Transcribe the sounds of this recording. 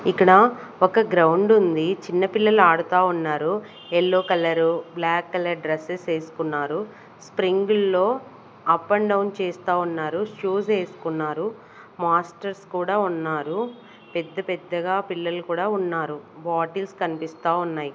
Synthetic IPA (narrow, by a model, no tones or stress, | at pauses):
ikːɐɽɐɔkɐɡɾɐwɳɖund̪it͡ʃinːɐpilːɐluaːɽut̪aːunːaːɾu | ɛlːoːkɐlɐɾublaːkːɐlɐɾɖɾɐsese̞ːsu̥kunːaːɾu | spɾiŋɡulːo̞ː | ɐpːɐɳɖɐwnt͡ʃeːst̪aːunːaːɾuʂuːseːsu̥kunːaːɾu | maːsʈɐɾskuːɽaːunːaːɾu | pɛd̪ːɐpɛd̪ːɐɡaːpilːɐlukuːɽaːunːaːɾubaːʈilskɐnipist̪aːunːaːji